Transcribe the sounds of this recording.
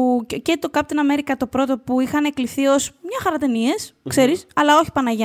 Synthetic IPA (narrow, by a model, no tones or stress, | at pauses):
ucet̪okɐpot̪inɐmeɾikɐt̪o̞pɾo̞t̪o̞puixɐne̞kliθio̞smɲɐxɐɾɐt̪e̞nie̞skse̞ɾisɐlɐo̞çi̥pɐnɐʝ